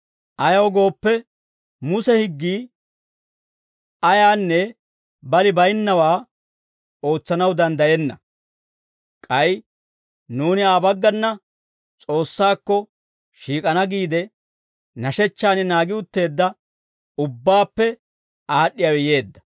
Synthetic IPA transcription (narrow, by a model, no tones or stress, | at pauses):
ʔɐjɐwɡo̞ːpːɛ | mʊsɛhɪɡːiː | ɐjaːnːɛ | bɐlɪbɐjnːɐwaː | o̞ːt͡sːɐnɐwd̪ɐnd̪ɐjɛnːɐ̰ | kʼɐj | nuːnɪaːbɐɡːɐnːɐ | t͡sʼo̞ːsːaːkːɔ | ʃiːkʼɐnɐɡiːd̪ɛ | nɐʃɛt͡ʃːaːnɪnaːɡɪʊt̪ːe̞ːd̪ːɐ | ʊbːaːpːɛ | aːɗːɪjawɪje̞ːd̪ːɐ̥